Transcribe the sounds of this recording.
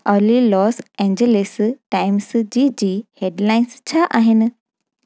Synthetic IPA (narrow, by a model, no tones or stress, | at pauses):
əɾlilɔːsɛ̃ɲd͡ʑelesʈaɪmsd͡ʑiːd͡ʑiːheɖlaːɪnst͡ɕʰaʔaːɦɪnɨ